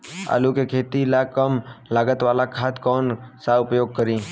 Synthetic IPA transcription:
a̰ːlukekʰeːt̪ilakəmlaːɡət̪ʋaːlakʰaːt̪kɔːnsaʊpjoːɡ̚kəɾĩː

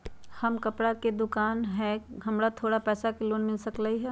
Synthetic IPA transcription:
hɐmkɐpɽaked̪ʊkaːnɦɛ̃ɦɐmɾat̪ʰoːɽapɛːsakeloːnmɪlsɐklaiɦɛː

